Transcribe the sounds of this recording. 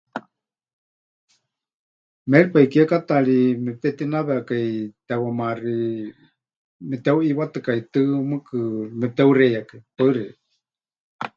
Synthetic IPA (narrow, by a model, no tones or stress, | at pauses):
mɛɺipaikiakat̪aɺimɛp̚t̪ɛt̪inaβɛakait̪ɛwamari | mɛt̪euiwat̪ɨkait̪ɨmɨkɨmɛp̚t̪ɛurejakaipaɨrɛ